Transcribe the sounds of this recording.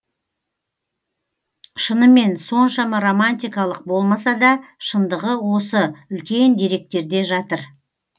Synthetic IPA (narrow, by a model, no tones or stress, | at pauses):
ʃənəme̞nso̞nʃɑmɑɾo̞manʲt̪ijkɑlˠəq̚bo̞lˠmɑsɑd̪ɑʃənd̪əʁəwo̞səʏlkʲe̞nd̪e̞ɾe̞k̚t̪e̞ɾd̪e̞ʒɑt̪əɾ